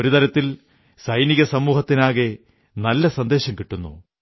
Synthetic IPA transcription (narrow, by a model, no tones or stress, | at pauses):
oɾut̪ɐɾɐt̪ːil | sɐjniɣɐsɐmːuːhɐt̪ːinaːɣe | nɐlːɐsɐnd̪e̞ːɕɐmkiʈːunːṵ